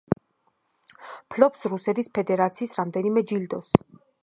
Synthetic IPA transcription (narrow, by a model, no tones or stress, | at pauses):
pʰlɔpsɾusɛt̪ʰispʰɛd̪ɛɾat̪sʰiːsɾamd̪ɛnimɛd͡ʒild̪ɔs